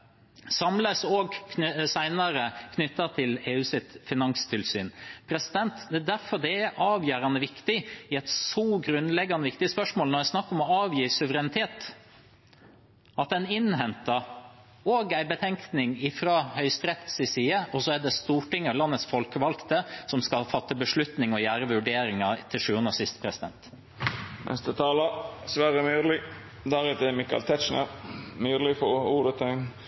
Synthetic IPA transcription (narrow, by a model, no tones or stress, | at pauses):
sɑmləsoːɡk̪ʰsæɪnɑɾəkʰnʏt̪ːɑt̪ʰɪleːʉːsɪt̪fɪnɑŋst̪ʰɪlsy̰ːnpʰɾɛsɪd̪ɛnt̪d̪ɛæd̪æɾfɔɖ̪ɛæʔɑːʋjøːɾɑnəʋɪkt̪ɪɪæɪt̪sɔɡɾʉnlɛɡːɑnəʋɪkt̪ɪəspœʂmoːlnɔɾjæsnɑkːɔmɔɑːʋjiːsʉʋəɾɛnɪt̪ʰeːt̪ | ɑt̪̚d̪ɛnɪnɦɛnt̪ɑ | oːɡæɪbət̪ʰɛŋknɪŋɪfɾɑːhœʏst̪ɾɛt̪sɪsiːəɔsɔæɖ̪ɛst̪uːʈɪŋːəlɑnːət̪sfɔlkəʋɑlkt̪əsɔmskɑfɑt̪ːəbəʂɭʉt̪nɪŋɔjæːɾəʋʉɖeːɾɪŋɑt̪ʰɪlʂʉːənəsɪst̪pʰɾɛsɪd̪ɛ̰nt̪ | nʔɛ̰st̪ət̪ʰɑːləsʋæːɾəmyːd̪əlɪ | d̪æɾʉːt̪əɛmɪkɑ̰lt̪ʰɛʃnə̰ɾmyːd̪əlɪfɔuːd̪ət̪ʰɑn